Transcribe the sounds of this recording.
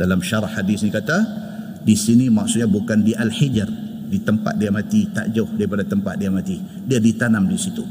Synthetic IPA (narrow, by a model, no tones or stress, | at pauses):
dalamʃaɾɑhːadisnikat̪a | disinimaksut̪̚ɲabukandiʔalħid͡ʒr | dit̪əmpa̰t̪̚diamat̪it̪a̰ʔd͡ʒaʊhdaɾipadat̪əmpa̰t̪̚diamat̪i | diadit̪anamdisit̪u